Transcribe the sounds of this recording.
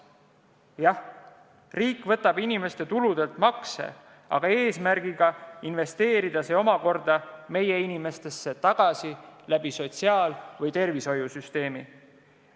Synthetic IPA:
jɑh | riːkːˑvɤ̞t̪ːˑɑbinʲime̞st̪e̞t̪ulud̪̥e̞lt̪mɑkse̞̰ | ɑ̰ɡ̥ɑe̞ːsmæɾɡ̥iɡ̥ɑinve̞st̪e̞ːɾid̪̥ɑse̞o̞mɑko̞rd̪̥ɑme̞je̞inime̞st̪e̞sːe̞t̪ɑɡ̥ɑsilæb̥iso̞t̪ʲsiɑːlvɤjt̪e̞rviso̞jusyst̪e̞ːmi

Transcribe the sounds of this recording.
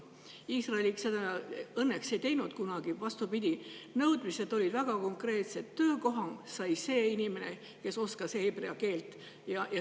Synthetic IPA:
iːsrɑeliksed̪ɑɤnːekse̞jt̪ejnud̪̥kunɑɡ̥ivɑst̪upid̪̥ʲinɤwd̪̥mise̞d̪o̞lʲid̪væɡ̥ɑko̞ŋkre̞ːt̪se̞t̪ːø̞ːko̞ɦɑŋɡsɑjse̞ːinʲime̞ne̞ | ke̞so̞skɑsheb̥re̞ɑke̞ːlt̪ːˑ | jɑjɑ

